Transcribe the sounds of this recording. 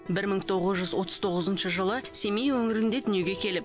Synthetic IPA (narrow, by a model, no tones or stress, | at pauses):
bɪɾməɴt̪ʰo̞ʁəzʒʏzwo̞t̪ʰəz̥t̪ʰo̞ʁəzənʃəʒəlˠəse̞mejwɵŋɪɾɪnd̪e̞d̪ʏnje̞ɡʲe̞kʲʰe̞lɪp̚